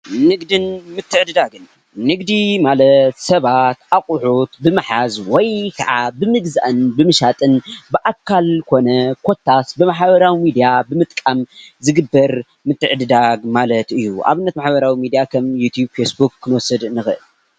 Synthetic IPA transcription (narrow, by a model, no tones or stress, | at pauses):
nɨɡd̪ɨnmɨt̪ʰːɨʕɨd̪ɨd̪aɡɨnː | ɨɡd̪imalɐt̪sɐβat̪ʔaqʼʊħut̪bɨmɨħazwɔjkʰɐʕa̰bɨmɨɡza̰ʔɨnbɨmɨʃat̪ʼɨnbɨʔakʰːalkʰo̞nɐkʰo̞t̪ʰːasbɨmaħβɐɾawimid̪ijabɨmɨt̪ʼkʼamzɨɡɨbːɐɾ | mɨt̪ʰːɨʕɨd̪ɨd̪aɡmalɐt̪ɨjːuʔa̰βɨnːɐt̪maħbɐɾawimid̪ijakʰɐmjut̪ʰjubfesbukːɨnwɔsɨd̪ɨnːɨxɨʔɨl